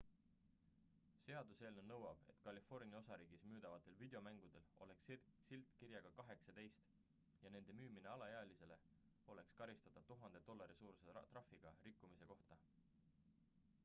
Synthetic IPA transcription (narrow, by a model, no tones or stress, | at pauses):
se̞ɑd̪use̞ːlnenɤwɑb̥e̞̰t̪kɑlʲifo̞rnʲiɑo̞sɑɾiːɡ̥ismyːd̪̥ɑvɑt̪ːˑe̞lvid̪̥eo̞mæŋɡ̥ud̪̥e̞lo̞le̞kssilt̪ˑkiɾjɑɡ̥ɑkɑɦe̞ksɑd̪e̞jst̪ | jɑne̞nd̪̥e̞myːmineɑlɑjeɑlise̞le̞ | o̞le̞kskɑɾist̪ɑt̪ɑt̪uɦɑnd̪e̞d̪̥o̞lːɑɾisuːɾset̪rɑfiɡ̥ɑ̰rikːumise̞ko̞ht̪ɑ